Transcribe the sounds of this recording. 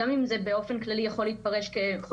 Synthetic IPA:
amimzebe̞o̞fe̞nklalijaχo̞leit̪̚paʁeʃkeχo

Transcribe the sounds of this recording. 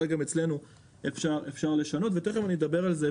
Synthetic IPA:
lɡamet͡sle̞nu | efʃaʁefʃaʁleʃano̞t̪veteχevanied̪abe̞ʁalze

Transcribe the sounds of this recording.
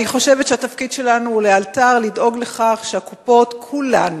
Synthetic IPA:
niχo̞ʃe̞vet̪ʃehatafkidʃe̞lanuhulealtaʁlidʔo̞ɡle̞χaχʃehakupo̞tkʰulan

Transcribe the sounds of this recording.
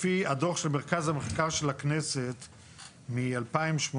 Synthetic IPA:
fiadoʃelmeʁkazhameχkaʁʃelakneset̪ | mialpaimʃmo

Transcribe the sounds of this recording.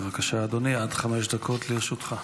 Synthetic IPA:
vakaʃaːd̪oniad̥χame̞ʃ̬d̪akʰo̞t̪liʁeʃut̪χa

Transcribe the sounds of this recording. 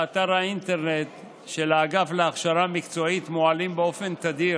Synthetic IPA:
at̪aʁhaint̪e̞ʁnet̪ | ʃe̞lːɡafleaχʃaʁamikt͡so̞it̪moalimbeo̞fe̞nt̪ad̪i

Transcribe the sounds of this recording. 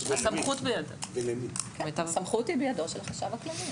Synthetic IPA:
samχut̪bejadovelemikɛmet̪avsamχut̪ibejadoʃelχaʃavaklali

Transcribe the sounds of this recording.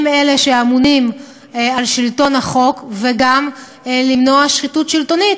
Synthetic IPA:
mele̞ʃe̞amunim | alʃilto̞naχo̞kveɡam | limno̞aʃχitutʃilto̞nit

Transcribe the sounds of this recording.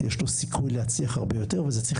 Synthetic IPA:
jeʃlosikʰujlehat͡siaχaʁbejoteʁvezet͡sʁiχ

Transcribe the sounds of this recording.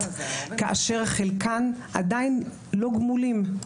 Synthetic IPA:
tkaʔa̰ʃe̞ʁaχelkanʔa̰dain | lo̞ɡmulim

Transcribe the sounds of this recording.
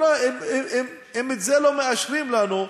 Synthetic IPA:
aemem | emet̪zelomeaʃʁimlanu

